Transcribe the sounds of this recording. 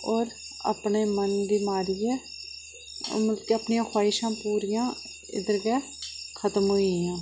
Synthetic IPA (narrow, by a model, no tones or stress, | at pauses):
ɔːɾ | a̰pɳeːmənd̪iːmaːɾijɛː | məlkeəpɳijãːxʰwaːɪʃãːpuːɾɪjãː | ɪ̰d̪əɾɡɛː | kʰət̪əmɦoːijãː